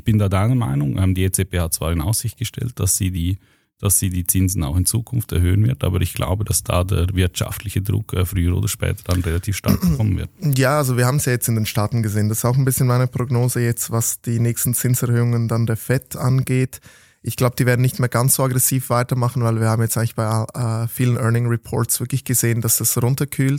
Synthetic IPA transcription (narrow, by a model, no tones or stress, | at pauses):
ɪçb̥ɪndaːdaɪnəma̰ɪnʊŋʔɛmdiːet͡sepʰeːhat̚t͡sv̥a̰ːɾɪna̰ʊsz̥ɪçt̚ɡ̥əʃtɛ̰lt̚d̥asiːdiː | d̥asz̥iːdiːt͡sɪnzn̩a̰ʊxɪnt͡suːkʰʊnftɛ̰ɐhøːənvɪ̰ɐtʔa̰ːbəʔɪçɡ̥lʔa̰ʊbəd̥asd̥a̰ːdḛːɐvɪɐtʃa̰ftʰlɪçədʁʊ̰kʰɛːfʁyːəɾo̰ːdɐʃpɛ̰ːtʰə̥d̥anʁelatʰiːfʃta̰ɐkəɔmənvɪ̰ɐtjaːalzoviːɐhaːmn̩sjaːjɛt͡stɪndeːnʃtaːtn̩ɡəzeːəndasɪ̥staʊxnbɪsçənmaɪnəpʁ̥oɡnoːzəjɛt͡stvasd̥iːnɛːçstn̩t͡sɪnsɛɐhøːʊŋəndandeːɐfɛtʰʔanɡeːt | ʔɪçɡ̥laʊbəd̥iːveɐdn̩nɪçtmeːɐɡant͡sz̥oːaɡʁɛsiːfv̥aɪtɐmaχn̩vaɪlviːɐhaːbm̩jɛt͡stʔaɪŋlɪçb̥aɪaɛːfiːlənʔœɐnɪŋʁipʰɔ̰ːɐtsv̥ɪɐklɪçɡ̥əzeːənd̥asasʁʊntɐkʰyːlt